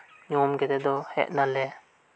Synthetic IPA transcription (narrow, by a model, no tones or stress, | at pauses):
ɲɔmɡɛd̪ɛd̪ɔhɛ̰ʔ̚nalɛ